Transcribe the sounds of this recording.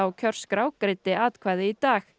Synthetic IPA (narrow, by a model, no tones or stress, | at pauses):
awcʰœr̥skɾaːwkɾɪt̪ɪaːt̪kʰvaːjðɪit̪aːx